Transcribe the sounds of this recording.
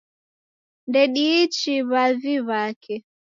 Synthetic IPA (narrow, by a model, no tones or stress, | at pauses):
ndɛɗiːt͡ʃiβaviβakʰɛ